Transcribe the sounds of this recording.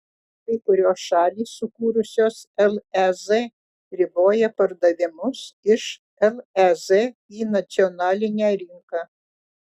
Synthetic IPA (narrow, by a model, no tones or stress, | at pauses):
kɐɪkʊɾʲoːsʃɑːlʲiːsːʊkuːɾʊsʲoːsɛlˠɛze | ɾʲɪboːjɛpɐɾd̪ɐʋʲɪmʊsɪʃ | ɛlˠɛzɛiːnɐt̪sʲɪɔnɑːlʲɪnʲæɾʲɪŋkɑː